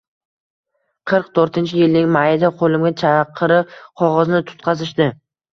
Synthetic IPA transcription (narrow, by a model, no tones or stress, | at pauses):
qʰɨɾqt̪ʰoɾt̪ɪnt͡ʃʰɪjɪlnɪŋmajɪd̪aqʰolɪmɡʲat͡ʃʰɑqʰːɨɾɪp̚qʰɒʁɒznɪt̪ʰʊ̥t̪̚qʰɑzɪʃd̪ɪ